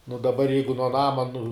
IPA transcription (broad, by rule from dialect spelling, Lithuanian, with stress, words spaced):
nʊ dɐˈbɐr ˈjɛɪɡʊ nuɔ ˈnɑːmɐ nʊ